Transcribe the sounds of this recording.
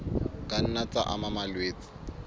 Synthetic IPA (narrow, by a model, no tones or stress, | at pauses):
kʼan̩nat͡sʼaʔa̰mamalweːt͡sʼɪ̥